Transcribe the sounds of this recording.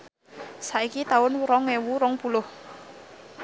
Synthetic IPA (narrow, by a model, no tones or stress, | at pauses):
saikit̪aʊnɾɔŋewuɾɔŋpulʊh